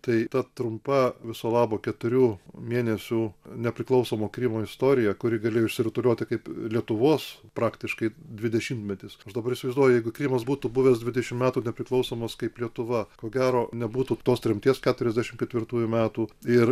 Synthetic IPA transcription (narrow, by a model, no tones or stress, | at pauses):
t̪ɐɪt̪ɐt̪ɾʊmpɐʋʲɪsoːlˠɑːboːkʲɛt̪ʊɾʲuːmʲiɛnʲɛsʲuːnʲɛpʲɾʲɪklˠɐʊsoːmoːkɾʲimoːɪst̪oːɾʲɪjɛkʊɾʲɪɡɐlʲeːjoʊɪʃsʲɪɾʲɪt̪ʊlʲuɔt̪ʲɪkɐɪplʲiɛt̪ʊʋoːspɾɑːkt̪ʲɪʃkɐɪd̪ʲʋʲɪd̪ʲɛʃʲimt̪ʲmʲɛt̪ʲɪsɐʃd̪ɐbɐɾɪʃsʲɪʋɐɪzd̪uɔjʊjɛɪɡʊkɾʲimɐsbuːt̪ubʊʋʲɛːsd̪ʲʋʲɪd̪ʲɛʃʲɪmmʲæːt̪uːnʲɛpʲɾʲɪklˠɐʊsoːmɐskɐɪplʲiɛt̪ʊʋɐkoːɡʲæːɾoːnʲɛbuːt̪uːt̪oːst̪ʲɾʲɛmʲt̪ʲiɛskʲæːt̪ʊɾʲɛzʲd̪ʲæʃʲɪmkʲɛt̪ʲʋʲɪrt̪uːjʊmʲæːt̪uːɪr